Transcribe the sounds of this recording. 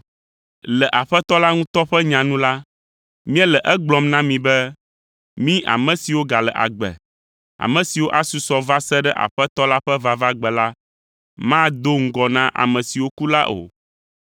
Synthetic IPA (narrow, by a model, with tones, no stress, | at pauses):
lɛ˨ʔa˨ɸɛ˦t̪ɔ˦la˦ŋũ˦t̪ɔ˦ɸɛ˦ɲã˨nũ˦la˦ | mĩ˦ɛ˦lɛ˨ʔɛ˦ɡ͡blɔ˨mnã˦mĩ˨bɛ˦ | mĩ˦ʔa̰˨mɛ̃˨si˨wo˦ɡa˨lɛ̰˨ʔa̰˨ɡ͡bɛ̰˨ | a̰˨mɛ̃˨si˨wo˦ʔa˦su˨sɔ˨va˦sɛ˦ɖɛ˦ʔa̰˨ɸɛ˦t̪ɔ˦la˦ɸɛ˦va˦va˦ɡ͡bɛ˨la˦ | mã˦d̪o˦ŋ̩˦ɡɔ˨nã˦ʔa̰˨mɛ̃˨si˨wo˦ku˦la˦ʔo̰˨